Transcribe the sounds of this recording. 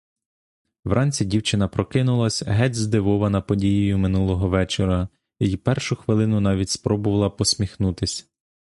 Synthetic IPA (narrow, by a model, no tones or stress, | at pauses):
ʋɾʔɑnʲt͡sʲidʲiwt͡ʃɪnɐpɾɔkɪnʊlˠɐsʲɦɛdʲzd̪ɪʋɔʋɐnɐpɔdʲijijʊmɪnulˠɔɦɔʋɛt͡ʃeɾɐ | ijipɛrʃʊxʋɪlˠɪnʊnɑʋʲitʲspɾɔbʊʋɐlˠɐpɔsʲmʲixnut̪ɪsʲ